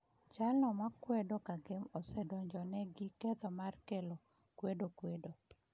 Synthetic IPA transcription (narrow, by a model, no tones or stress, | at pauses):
t͡ʃalnɔmakwɛdokaɡemosɛdɔɲd͡ʒɔnɛɡɪkɛt̪ɔmarkɛlo | kwedokwedo